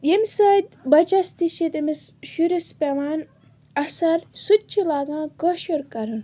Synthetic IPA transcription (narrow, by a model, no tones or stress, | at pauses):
jemsaːd̪bɐt͡ʃɐst̪iʃit̪imisʃuɾispʲeʋaːn | ɐsɐɾsutːt͡ʃʰilaːɡãːkɐʃoɾkɐɾɨn